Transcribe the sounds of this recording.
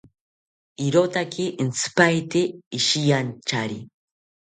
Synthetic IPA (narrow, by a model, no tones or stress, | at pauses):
iɾot̪akʰɪʔint͡sɨ̥pajt̪eːʃijant͡ʃaɾi